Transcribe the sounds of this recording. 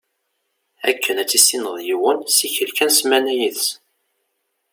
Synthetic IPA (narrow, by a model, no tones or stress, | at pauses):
ækʰːənæt͡sːisːinəðˤjiwənsiçəlkænsmænæjiðs